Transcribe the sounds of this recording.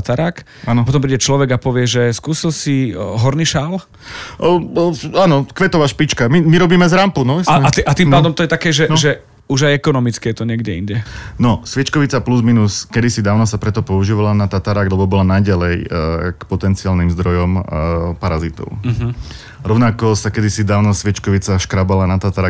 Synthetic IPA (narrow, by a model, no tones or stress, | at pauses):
at̪aɾak | apɔt̪̬ɔmpɾiːɟɛt͡ʃlɔʋɛɡapɔʋɪɛʒɛskuːsilsiɦɔɾniʃal | aːnɔkʋɛt̪ɔʋaːʃpit͡ʃkamimiɾɔbiːmɛzɾampunɔɛsaat̪ɛʔat̪impaːd̪ɔmt̪ɔjɛt̪akɛːʒɛnʒɛ | uʒajɛkɔnɔmit͡skɛɛt̪ɔɲɪɛɡɟɛḭɲɟɛnɔsʋɪɛt͡ʃkɔʋit͡sapluzminuskɛd̪isid̪aːʊnɔsapɾɛt̪ɔpɔuʒiːʋalanat̪at̪aɾaɡlɛbɔbɔlanaɟalɛjkpɔt̪ɛnt͡siaːlnimzd̪ɾɔjɔmpaɾazit̪ɔ̰ʊ | ɾɔʊnakɔsakɛd̪isid̪aːʊnɔsʋɪɛt͡ʃkɔʋit͡saʃkɾabalanat̪at̪aɾa